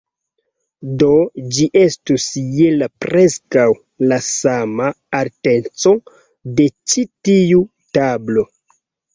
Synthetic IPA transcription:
do̞d͡ʒiʔe̞stusjelapɾe̞skaw | lasamaː | ɾtent͡so̞ | de̞t͡ʃitiu | tablo̞

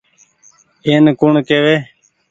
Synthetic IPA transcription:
eːnkʊɳkeːʋeː

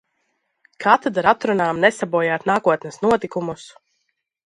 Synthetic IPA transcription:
kʰat̪ɛd̪aɾat̪ɾunaːmnɛsabuɔjaːt̪naːkuɔt̪nɛsnuɔt̪ikumus

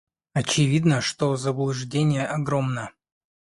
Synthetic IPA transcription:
ɐt͡ɕɪvʲid̪nəʂt̪ozəblˠʊʐdʲenʲɪjəʔɐɡɾomnə

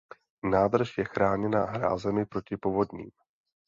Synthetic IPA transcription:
naːd̪r̩ʃjɛxɾaːɲɛnaːɦɾa̰ːzɛmɪpɾo̞cɪpovo̞d̪ɲḭːm

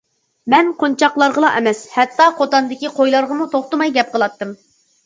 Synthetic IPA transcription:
mɛnqʰont͡ʃʰɑqlˠɑɾʁəlˠɑʔɛmɛshɛt̪ːɑqʰot̪ɑnd̪ɪkʲiqʰojlˠɑɾʁəmut̪ʰoχt̪ɨmɑjɡʲɛp̚qʰəlˠɑt̪ːɨm

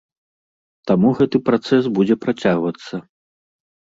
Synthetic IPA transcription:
t̪amuɣɛt̪ɨpɾat̪sɛs̬bud͡zʲɛpɾat͡sʲaɣvɐt̪sːɐ

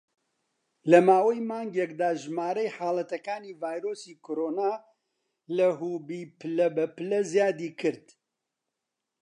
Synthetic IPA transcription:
lɐmaːwɐjmaːŋɡjɛk̚d̪aːʒmaːɾɐjħaːlˠɐt̪ɐkaːniːvaːjɾoːsiːkʰoɾoːnaː | lɐɦuːbiːpɨlɐbɐpɨlɐzjaːd̪iːkʰɨɾd̪

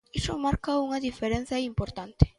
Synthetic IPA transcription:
isomaɾkaoŋaðifeɾenθaimpo̞ɾt̪ant̪e̥

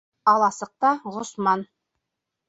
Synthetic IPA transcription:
ɑlˠɑsɤ̆q̚t̪ɑʁŏsmɑn

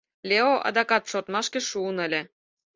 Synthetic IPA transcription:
lʲeoʔɑ̰d̪ɑkɑt̪ʃort̪mɑʃkĕʃuːnə̆lʲĕ

